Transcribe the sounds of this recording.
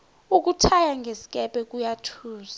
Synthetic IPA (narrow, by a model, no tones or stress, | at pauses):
uk̬utʰajaŋɡʱesi̥kʼɛpʼɛk̬ʼujatʰuːza